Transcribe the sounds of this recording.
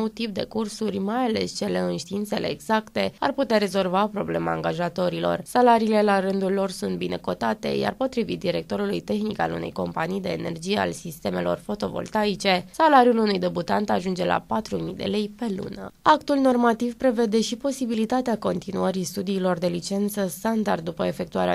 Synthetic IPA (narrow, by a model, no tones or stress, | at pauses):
owt̪ip̚d̪e̞̰kursurʲmajale̞̰st͡ʃe̞le̞ɨnʃt̪iint̪se̞leːɡzakt̪e̞a̰rput̪eaɾe̞zo̞lvapɾo̞ble̞ma̰ːŋɡaʒat̪o̞ɾilo̞̰rsalaɾiːle̞laɾɨnd̪ulːo̞rsunt̪̚bine̞ko̞t̪at̪e̞̰ja̰rpo̞t̪ɾivit̪̚d̪iɾe̞k̚t̪o̞ɾulujt̪e̞xnika̰lṵne̞̰jko̞̰mpanijd̪e̞̰ːne̞̰rd͡ʒije̞a̰lsist̪e̞me̞lo̞̰rfo̞t̪o̞vo̰lt̪ait͡ʃe̞salaɾijulunujd̪e̞but̪ant̪aʒund͡ʒe̞lʔa̰pat̪ɾumijd̪e̞̰le̞jpe̞lṵnə̰akt̪ulno̞rmat̪ivpɾe̞ve̞d̪e̞ʃipo̞sibilit̪at̪eako̞nt̪inuəɾist̪ud̪iːlo̞rd̪e̞lit͡ʃe̞nt̪səst̪and̪ard̪̚ːupəefe̞k̚t̪ua̰ɾea̰